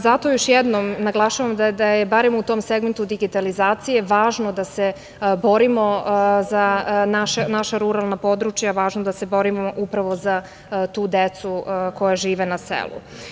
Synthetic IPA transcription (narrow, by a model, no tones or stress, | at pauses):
zat̪o̞joʃjɛd̪nomnaɡlˠaʃaʋamd̪ad̪ajebaɾemut̪o̞mseɡment̪ud̪iɡit̪alizaːt̪sije̞ʋaːʒno̞d̪ase | bo̞ɾimo̞zanaʃenaʃaɾuɾalˠnapo̞d̪ɾut͡ʃjaʋaːʒnod̪ase̞bo̞ɾimoʔupɾaʋo̞za | t̪uːd̪et̪suko̞jaʒiːʋenasḛlṵ